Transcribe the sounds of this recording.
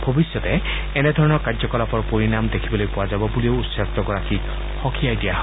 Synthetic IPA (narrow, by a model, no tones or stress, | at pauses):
bʱobisjɔtɛ | ɛnɛdʱɔɹɔnɔɹkazɔkɔlapɔɹpoɹinamdekʰibɔlojpɔwazabɔbulioʊutsaktɔɡɔɹaki | xɔkʰiajdijaɦ